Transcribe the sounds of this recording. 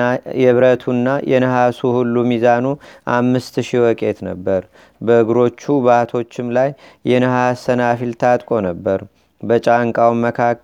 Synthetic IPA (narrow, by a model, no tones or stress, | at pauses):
jɛβɾət̪ʰunːajʔɛ̰nəɦasuhulːumizanuʔamːɨst̪ʃiwɔkʼe̞t̪nə̰bːəɾ | bəɨɡɾo̞t͡ʃːuβaht̪ʰo̞t͡ʃːɪmlajːɛnəhasənafilt̪ʰat̪ʼkʼo̞nəbːəɾ | bət͡ʃʼaŋkʼawmːəkʰakː